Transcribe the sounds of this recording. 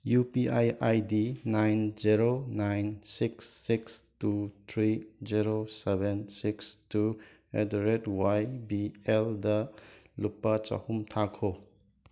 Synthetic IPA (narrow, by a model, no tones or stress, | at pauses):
jupiʔajajdinajnd͡ʒiɾonajnsiksːikstut̪ʰɾiziɾosebensikstu | edɾedwajbieldɐlupːɐt͡ʃɐ̰humtʰakʰo